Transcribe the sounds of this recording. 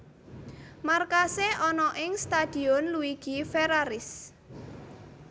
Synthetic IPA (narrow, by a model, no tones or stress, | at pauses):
markaseɔnɔʔɪŋst̪ad̪̥i̤ɔnluiɡ̥ifeɾaɾɪs